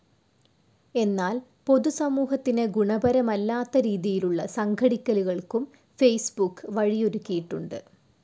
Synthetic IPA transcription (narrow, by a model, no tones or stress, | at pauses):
e̞nːaːl | po̞ðusɐmuːɦɐt̪ːineɡuɳɐbɐɾɐmɐlːaːt̪ːɐɾiːðijiluɭːɐsɐŋɡʰʱɐɽikʲːɐluɣɐɭkum | fe̞jsbukːɨʋɐɻijoɾukʲːijiʈːuɳɖɨ̰